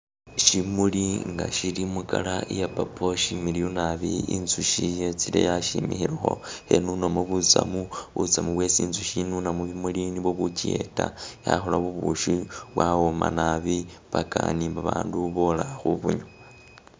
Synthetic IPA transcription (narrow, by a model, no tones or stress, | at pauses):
ʃimuliŋɡa̰ʃiɾimukalaʔijapapʰoʃimiɾionaβiinzuʃijet͡silḛjaʃimixiɾaxo̞̰henunomoβut͡sa̰muβṵt͡samuβwe̞t͡siːnzuʃinunamuβimuliniβoβucie̞̰taja̰xolaβuβuʃuβwawoma̰naβi | βakanimbaβaːnduβolaxuβuɲo